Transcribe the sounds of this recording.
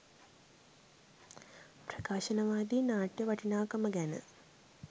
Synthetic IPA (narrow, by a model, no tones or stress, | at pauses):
prɐkaːʃɐnɐʋaːd̪inaːʈjɐʋɐʈʰinaːkɐmɐɡanɨ̰